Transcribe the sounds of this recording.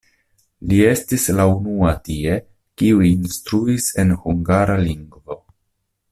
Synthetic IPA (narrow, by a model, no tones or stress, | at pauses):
lie̞stislaunuatie̞ | kiuinstɾuise̞nhuŋɡaɾaliŋɡvo̞